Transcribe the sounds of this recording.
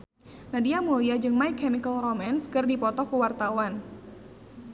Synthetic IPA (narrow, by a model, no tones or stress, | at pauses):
nadiamuliad͡ʒɨŋmajkʰːɛmikalromanskɨrdipɔt̪ɔkuwart̪awan